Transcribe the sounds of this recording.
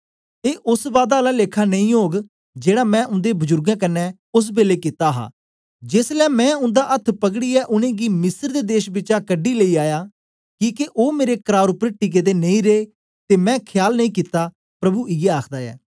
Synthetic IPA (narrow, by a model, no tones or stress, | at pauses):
eːʔʊsʋaːd̪aːlaːleːkʰaːnəĩːɦoːɡ | d͡ʒeːɽaːmɛ̃ːʔʊ̃nd̪eːbʊzʊɾɡãːkənːɛː | ʊs̬beːleːkɪt̪aːɦa̰ː | d͡ʒɪslɛːmɛ̃ːʊ̃nd̪aːʔət̪ʰpəkɽiːɛːʔʊnẽːɡiːmɪsəɾd̪eːd̪eːʃbɪt͡ʃakəɖːiːləiːaːjaː | kiːkeʔoːmeːɾeːkəɾaːɾʊpːəɾʈiːk̬eːd̪eːnə̃ĩːɾeeː | t̪eːmɛ̃ːkʰjaːlnə̃ĩːkit̪aː | pɾəbuːɪjɛaːkʰd̪aːɛ̰ː